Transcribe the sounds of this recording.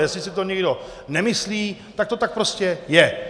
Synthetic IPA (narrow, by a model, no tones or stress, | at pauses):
jɛslɪsɪt̪oɲɪɡdo̞ | nɛmɪsliːt̪ak̚t̪ot̪ak̚pɾo̞scɛjɛ